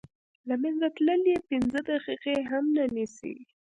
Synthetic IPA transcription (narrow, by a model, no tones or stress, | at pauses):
lamɛnzat̪ləljepɪnzəd̪aqiqeɦamnanisḭ